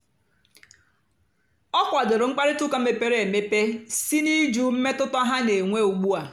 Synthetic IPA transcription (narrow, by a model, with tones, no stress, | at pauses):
ɔ˦kʷa˨dʊ˨ɾʊ˨ŋ͡m̩˦k͡pa˦ɾɪ˦tu˦ka˨m̩˦me˨pe˦ɾe˨˦e˨me˦pe˦si˦ni˦d͡ʒu˦m̩˦me˦tʊ˦tɔ˦ɦa˦ne˨ŋʷe˦u˨ɡ͡bu˦a˨